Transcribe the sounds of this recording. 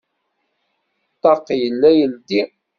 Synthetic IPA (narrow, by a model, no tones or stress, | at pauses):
t̪ˤːɑɾˤqjəlːæjəld̪i